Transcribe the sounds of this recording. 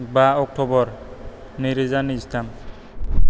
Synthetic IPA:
baɔk̚tʰɔbɔɹ | niɾizanistam

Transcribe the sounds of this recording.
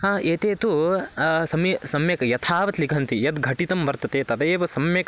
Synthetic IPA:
aːʔeːt̪eːt̪u | sɐmjɐsɐmjɐkɐjɐt̪ʰaːʋɐt̪likɐnt̪ijɐt̪ɡʱɐʈit̪ɐmʋɐɾt̪ɐt̪eːt̪ɐd̪eːʋɐsɐmjɐkɐ

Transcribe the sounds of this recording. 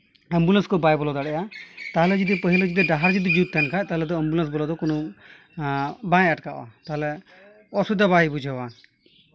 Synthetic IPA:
əmbulənskɔbajbɔlɔd̪aɽɛjat̪aɦlɛd͡ʒid̪ipəɦilɛd͡ʒid̪ɛɖaɦaɾd͡ʒid̪id͡ʒut̪ːɛnkʰat̪aɦlɛd̪ɔəmbuləns̬bɔlɔd̪ɔkɔnɔ | bãaʈkaʔɔ̰a̰t̪aɦlɛ | ɔsud̪aβaibud͡ʒʱawa

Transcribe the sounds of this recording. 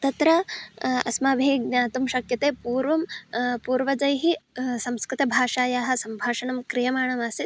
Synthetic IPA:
t̪ɐt̪ɾɐɐ̰smaːbʱeːɡnaːt̪umʃɐkjɐt̪eːpuːɾʋɐmpuːɾʋɐd͡ʒɐjɦisɐmskɾɪt̪ɐbʱaːʂaːjaːɦɐ̆sɐmbʱaːʂɐɳɐmkɾijɐmaːɳɐmaːsi

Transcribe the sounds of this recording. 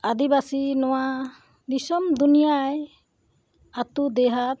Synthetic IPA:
ad̪ibasinɔwa | nisɔmd̪unijaj | at̪ud̪ɛɦat̪̚

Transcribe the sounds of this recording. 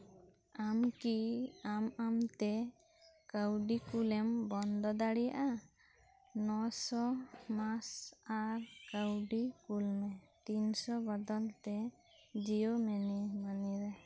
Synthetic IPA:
amkiamamt̪ɛ | kəwɖikulɛmbɔnd̪ɔd̪aɽija̰ʔa | nɔsɔmasaɾkəwɖikulmɛt̪insɔbɔd̪ɔlt̪ɛ | d͡ʒijomɛnimaniɾɛ

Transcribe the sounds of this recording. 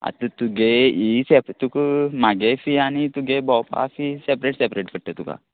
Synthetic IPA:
a̰t̪ut̪uɡeisept̪ukmaɡefijaːnit̪uɡebɔːpa̰ːfisepɾeːʈsepɾeːʈpəʈːet̪uka̰ː

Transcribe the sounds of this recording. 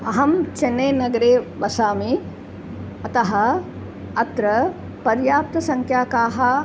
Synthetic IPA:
ɐɦɐmt͡ʃenːeːnɐɡɐɾeːʋɐsaːmi | ɐt̪ɐɦɐ | ɐt̪ɾɐ | pɐɾjaːp̚t̪ɐsɐŋkʰjaːkaːɦɐ̆

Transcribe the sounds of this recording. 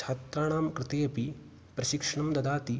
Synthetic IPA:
aːt̪ɾaːɳaːmkɾɪt̪eːɐpi | pɾɐʃikʂɐɳɐmd̪ɐd̪aːt̪i

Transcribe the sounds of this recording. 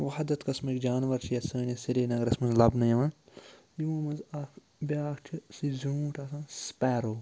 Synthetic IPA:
ʋɐɦɐd̪ɐt̪kɐsmikd͡ʒaːnʋɐɾt͡ʃʰiɐsəːnɐsiɾeːnɐɡɾɐsmɐnzlɐbnɐjɐʋãː | jimuːmɐnzɐkʰ | bʲaːkʰt͡ʃʰisizuːʈʰɐsãːspɛːɾoː

